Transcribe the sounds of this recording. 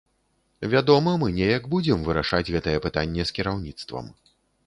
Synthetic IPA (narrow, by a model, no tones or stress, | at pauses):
vʲad̪ɔmɐmɨnʲɛjɐɡbud͡zʲɛmvɨɾaʂad͡zʲɣɛt̪ɐjɛpɨt̪anʲːɛskʲiɾawnʲit̪st̪vɐ̰m